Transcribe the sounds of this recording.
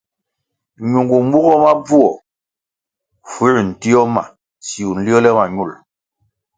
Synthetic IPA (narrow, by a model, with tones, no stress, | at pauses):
ɲu˨ŋɡu˨m˦bu˦ɣɔ˦ma˦bu˦ɔ˨ | fu˦˨n̩˨ti˦ɔ˦ma̰˨ | si˨u˨n̩˨li˦ɔ˦lɛ˦ma˨ɲu˦˨l